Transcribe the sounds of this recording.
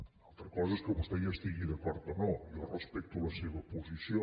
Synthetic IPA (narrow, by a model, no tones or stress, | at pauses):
alˠt̪ɾəkɔzəɛskəβust̪ɛjaəst̪iɣiðəkɔɾt̪̚d̪ənɔjɔrəspɛk̚t̪uləseβəpuzisio